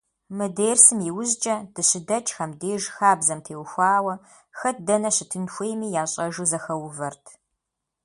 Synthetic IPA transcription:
mɨdeːrsɨmjiwʊzt͡ʃʼɐd̥ɨɕɪdɐt͡ʃʼxɐmdeːʒxaːbzɐmtʰeːwxʷaːwɐ | xɐt̚dɐnɐɕɪtʰɨnxʷejmiːjaːɕʼɐʒuzɐxɐwvɐrtʰ

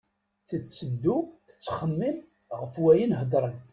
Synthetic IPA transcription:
θət͡sːəd̪ːuθə̥t͡sːχəmːim | ʁəfwæjinɦəd̪ˤɾˤən

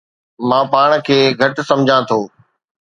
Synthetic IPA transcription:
mãːpaːɽ̃kʰeːɡʱɐʈsɐ̃md͡ʑʱãt̪ʰoː

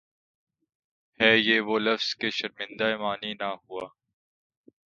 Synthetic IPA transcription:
hɛːjeːʋoːlɐfz̥keʃɐɾmɪ̃nd̪aemaːninaɦuaː

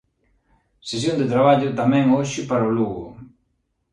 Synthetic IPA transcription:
sesjond̪ɪt̪ɾaβ̞aʎʊt̪amɛ̃ŋoʃɪpaɾoluɣʊ̰

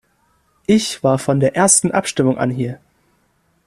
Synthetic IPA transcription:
ʔɪçv̥aːɐfɔndeːɐʔeːɐstn̩ʔa̰pʃtɪmʊŋʔa̰nɦiːɐ

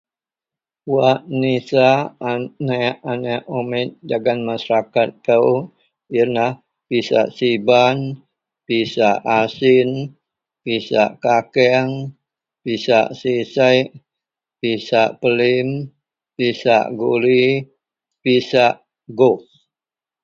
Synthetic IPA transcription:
waʔnisa | naʔanaʔomɪt̪̚daɡanmasaɾakat̪̚ːə | ənah | pisa̰ʔsiban | pisaʔasɪn | pisa̰ʔkakɛŋ | pisaʔsisajʔ | pisaʔpəlim | pisa̰ʔɡuli | pisaʔ | ɡof

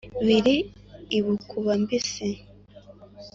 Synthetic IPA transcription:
βiɾiː | βukʰuβambisi

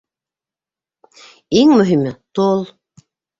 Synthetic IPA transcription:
iŋmɵ̆ɦimɘt̪olˠ

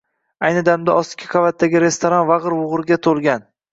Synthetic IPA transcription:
ajnɪd̪amd̪aʔɒst̪ɪ̥kʲʰɪ̥qʰɑvat̪ʰːaɡʲɪɾe̞st̪ʰoɾɒnvaʁɨɾwʊʁɾɡʲat̪ʰolˠɡʲan

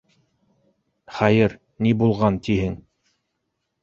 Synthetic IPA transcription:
χæjɘɾ | nibulˠʁɑnt̪ihɘŋ

